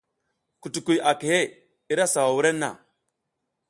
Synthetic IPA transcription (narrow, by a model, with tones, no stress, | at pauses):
ku˨tu˨ku˨ja˨ki˨he˦˨ | i˦ɾa˦sa˨wa˨wu˦ɾe˦nːa̰˨